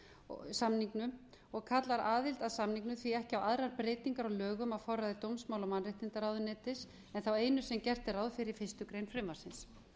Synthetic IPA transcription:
samniŋknʏ | ɔɣkʰat̪laɾaːðɪlt̪aðsamniŋknʏθviɛhcɪawaðɾaɾpɾeːjt̪iŋkaɾalœːɣʏmafɔraðɪt̪owmsmawlawmanrɪht̪ɪnt̪aɾaːwðʏnɛːt̪ɪs | ɛnθaweːjnʏsɛmcɛr̥t̪ɪɾaːwðfɪɾɪɾ̥fɪst̪ʏkɾejnfɾɪmːaɾ̥sɪns

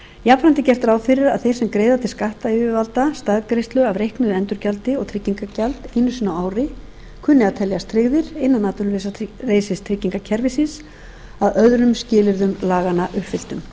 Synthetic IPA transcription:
japfɾant̪ɪcɛr̥t̪aɾaːwfɪɾɪɾa̰ðθejsɛmkɾeːjðat̪ʰɪlskaht̪aiʏvalt̪ast̪aðkɾejst̪lʏavrejhknʏðɛnt̪ʏɾcalt̪ɪɔɣt̪ʰɾɪcːiŋkacalt̪ɪnːʏsinaaːwɾɪ | kʰʏnːɪaðt̪ʰɛljast̪ʰɾɪɣðɪɾ̥ɪnːanːaːt̪ʏnlejsareːjsɪst̪ʰɾɪcːiŋkacʰɛɾvɪsɪs | aðœðɾʏmscɪːlɪɾðʏmlaːɣanaʔʏhpfɪl̥t̪ʏm

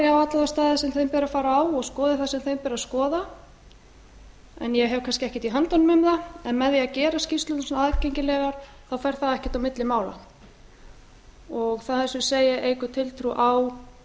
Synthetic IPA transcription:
awat̪laðast̪aːðɪsɛmθejmpɛːɾafaːɾaaːwɔɣskɔːðɪθasɛmθejmpɛːɾaskɔːða | ɛ̰njɛɦɛvkʰanscɪɛhcɛt̪iɦant̪ɔnʏmʏmðaɛnmɛðjɛacɛːɾascist̪lʏnsnaðcejɲcɪlɛːɣaɾ̥ | θawfajɾ̥θaðɛhcɪɛ̥t̪awmɪt̪lɪmaːwla̰ | ɔɣθaθɛsʏseːjɪʔejkʏt̪ʰɪlt̪ʰɾuʔaw

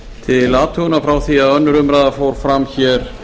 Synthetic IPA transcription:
t̪ʰɪlaːt̪ʰʏʏnafɾawθiaðœnːʏɾʏmɾaːðafowɾ̥fɾamçɛɾ̥

